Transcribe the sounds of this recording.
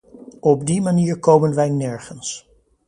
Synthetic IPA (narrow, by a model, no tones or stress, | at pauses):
ɔb̚dimaniːɹkowmənʋɛjnɛɹχəns